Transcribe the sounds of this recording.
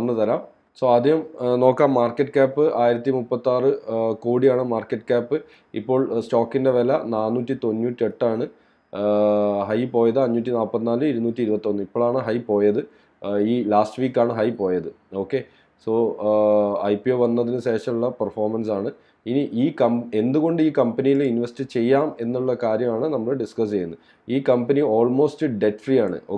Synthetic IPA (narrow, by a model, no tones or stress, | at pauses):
ɐnːɨt̪ɐɾaːm | so̞ːɐd̪ʱjiɦɐmno̞ːkːaːmːaːrkːɐʈːɨkaːpːɨʔaːjiɾɐt̪ːimupːɐt̪ːaːrɨkoːɽijaːɳɨmaːrkːeʈːɨ̥kaːpːɨ | ḭpːo̞ːɭsʈoːkːinde̞ʋelɐnaːnːuːtːit̪o̞nːuːtːie̞ʈːaːɳɨ | ɦɐjpo̞ːjɐðɨɐɲːuːtʲːinaːpːɐt̪ːinaːlɨiɾunuːtːiɾupɐt̪ːio̞nːɨipːoːɭaːɳɨɦɐjpo̞ːjɐðɨ | iːlaːsʈɨʋiːkːaːɳɨɦɐjpo̞ːjɐðɨ | o̞ːkːe̞ | so̞ː | ɐjpioʋɐnːɐðinɨɕe̞ːʂɐmuɭːɐpɐrfo̞ːrmɐnsaːɳɨ | iniʔiːkɐme̞nd̪uɣo̞ɳɖɨiːkɐmpɐnijilinʋestit͡ɕe̞jːaːme̞nːuɭːɐkaːɾjɐmaːɳɨnɐmːɐɭɨɖiskɐs̬t͡ɕe̞junːu | iːkɐmpɐnio̞ːlmo̞ːstɨɖe̞ʈfrijaːɳɨ̰oː